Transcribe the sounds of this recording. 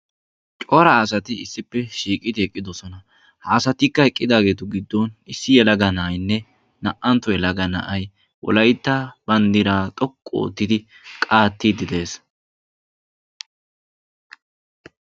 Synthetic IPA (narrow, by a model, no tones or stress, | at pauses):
t͡ʃʼɔɾɐːsɐt̪ɪɪsːɪpːɛʃiːkʼɪd̪ɪɛkʼːɪd̪ɔsɔnɐ | haːsɐt̪ɪkːɐhɛkʼːɪd̪aːɡe̞ːt̪ʊɡɪd̪ːɔnɪsːɪjɛlɐɡɐnɐːjnːɛ | nɐʔɐnt̪ːɔjɛlɐɡɐnɐ̰ʔɐj | wɔ̰lɐjt̪ːɐbɐnd̪ɪɾaːt̪ʼɔkʼːo̰ːt̪ːɪd̪ɪ | kʼaːt̪ːid̪ɪd̪e̞ːs